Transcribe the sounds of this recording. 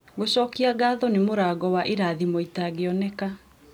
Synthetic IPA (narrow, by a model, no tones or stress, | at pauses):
ɡoɕɔːkiaɡaːðɔnemoɾaːɡɔwaʔiɾaðimoitaɣeɔnɛka